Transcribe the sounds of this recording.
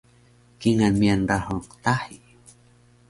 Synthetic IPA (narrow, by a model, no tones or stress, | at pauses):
kiŋanmianɾahoqt̪aħi